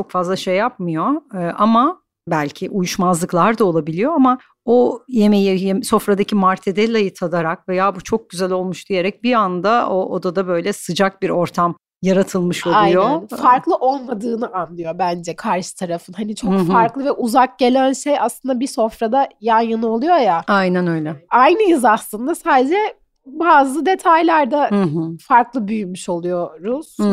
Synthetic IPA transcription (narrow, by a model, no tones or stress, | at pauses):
t͡ʃʰo̞kfazlˠaʃe̞jːap̚mɯjo̞ʔama | bælʲcʰiʔujuʃmazlˠɯklˠaɾd̪aolˠabilʲijo̞ama | ojemejijeso̞fɾad̪acʰimaɾt̪ʰed̪ɛlʲajɯt̪ʰad̪aɾak̚vejaːbut͡ʃʰo̞k̚ɟyzælʲo̞lˠmuʃd̪̥ije̞ɾɛc̚biand̪aoʔod̪ad̪abø̞jlʲɛsɯd͡ʒak̚biɾo̞ɾt̪ʰam | jaɾat̪ʰɯlˠmɯʃolajunjoænfaɾklˠɯʔo̞lˠmad̪ɯːnɯʔanlˠɯjo̞bænd͡ʒɛkʰaɾʃɯ̥t̪ʰaɾafɯnhanit͡ʃʰokfaɾklˠɯvɛʔuzak̚ɟe̞lʲænʃejaslˠɯnd̪abiso̞fɾad̪ajanjɯnolˠujo̞jaajnænø̞jlʲɛajnɯjɯzaslˠɯnd̪asaːd̪ed͡ʒɛ | baːzɯd̪e̞t̪ʰajlʲæɾd̪aɦfaɾklˠɯbyjymyʃo̞lˠujo̞ɾuz̥